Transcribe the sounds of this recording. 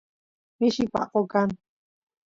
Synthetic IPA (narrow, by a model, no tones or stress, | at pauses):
miʃipa̰qokan